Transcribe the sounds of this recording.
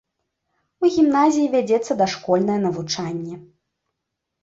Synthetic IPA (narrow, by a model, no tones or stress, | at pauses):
uɣʲimnazʲijivʲad͡zʲɛt̪sːɐd̪ɐʂkɔlʲnɐjɐnɐvut͡ʂanʲːɛ